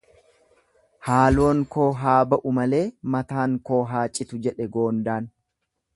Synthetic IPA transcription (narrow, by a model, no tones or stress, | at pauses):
haːlo̞ːŋko̞ːɦaːbɐʔʊmɐle̞ːmɐt̪aːŋko̞ːɦaːt͡ʃʼːɪt̪ʊd͡ʒɛᶑɛɡo̞ːnd̪aːn